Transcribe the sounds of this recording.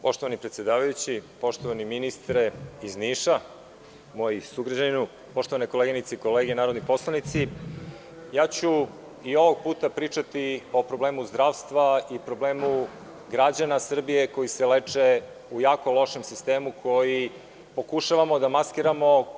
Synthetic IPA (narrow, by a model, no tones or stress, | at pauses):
po̞ʃt̪oanipɾet̪sʲje̞d̪aːʋajut͡ɕipo̞ʃt̪oʋaniminist̪ɾeizniːʃa | mo̞jisuɡɾad͡ʑaninu | po̞ʃt̪o̞ʋanekoleɡinit̪seiko̞leːɡenaːɾod̪nipo̞slˠanit̪si | jaːt͡ɕu | io̞ʋoɡ̚puːt̪apɾiːt͡ʂat̪io̞pɾo̞ble̞ːmuzd̪ɾaːʋst̪ʋaipɾo̞ble̞ːmu | ɡɾad͡ʑanasr̩bije̞ko̞jiseleːt͡ʂe | ujaːko̞lˠo̞ʃe̞msist̪e̞ːmukʰo̞ji | po̞kuʃaʋamo̞d̪amaskiɾamo̞